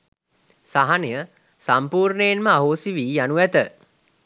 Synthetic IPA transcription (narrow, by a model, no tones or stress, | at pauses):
saɦanijə | sampuːɾnəjenməaɦoːsiʋiːjanuʋæt̪ə